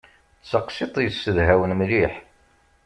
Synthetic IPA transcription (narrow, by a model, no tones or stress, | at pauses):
t͡səqsit̪ˤjsːəðɦæwənmliħ